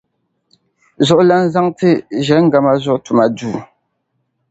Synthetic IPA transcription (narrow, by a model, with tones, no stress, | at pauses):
zɔ˦˨ʔla˦n̩˦za˦ŋtɨ˦ʒɛ˨˦ŋ̩˦ɡa˨ma˦zɔ˦ʔtu˨ma˨duː˦˨